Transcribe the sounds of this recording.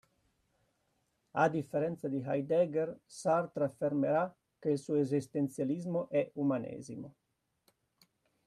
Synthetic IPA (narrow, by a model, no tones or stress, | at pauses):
a̰d̪ifːeɾɛnt̪sad̪iɦajd̪ɛɡeɾsaɾt̪ɾafeɾmeɾa | kːeilsuezist̪ent̪sjalizmoʔɛumanḛːzimo